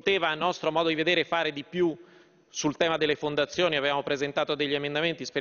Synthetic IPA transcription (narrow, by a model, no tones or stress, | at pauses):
t̪eːvanːɔst̪ɾomɔːd̪od̪ived̪eːɾefaːɾed̪ipju | sult̪ɛːmad̪elːefond̪at̪sːjoːniavevaːmopɾezent̪aːt̪od̪eʎːiemend̪ament̪ispe